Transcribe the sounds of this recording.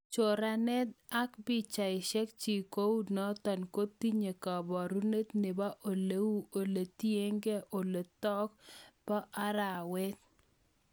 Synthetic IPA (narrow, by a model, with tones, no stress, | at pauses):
t͡ʃo˨ɾa˨nɛ˦d̪̚a˦kbɪ˦t͡ʃa˨ɪ˨ʃɛ˦k̚t͡ʃi˨ko˦wu˦dnɔ˦t̪ɔ˨nko˦t̪i˦ɲe˨ka˨bɔ˨ɾu˦ne˦t̪ne˨ba˦ʔo˨le˨˦wu˦o˨le˨t̪je˦ŋɡe˦ʔo˨le˨t̪ɔ˦kpa˦ʔa˦ɾa˨wɛ˦t̪̚